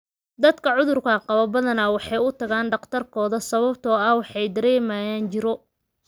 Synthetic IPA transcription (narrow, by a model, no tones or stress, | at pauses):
d̪ɐd̪kʰɐʕʊðʊrkʰɐqɑβɐbɐðɐnɐwɑħɑjʊt̪ʰɐɣaːnɖɑqt̪ʰɐrkʰɔːðɐsɐβɐbt̪ʰɔːɐhwɑħɑjd̪ɐɾɛːmaːjaːnt͡ʃɪɾɔ